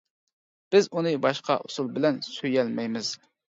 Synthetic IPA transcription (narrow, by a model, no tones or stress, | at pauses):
b̥ɪzunɨbɑʃqɑ̰ʔusulˠbɪlɛnsøjɛlmɛjmɪz̥